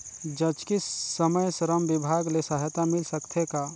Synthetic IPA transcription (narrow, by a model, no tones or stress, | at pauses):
d͡ʒɐt͡ʃkiəməjsɾəmbɪbʱaːɡlesaɦt̪amɪlsɐkt̪ʰekaː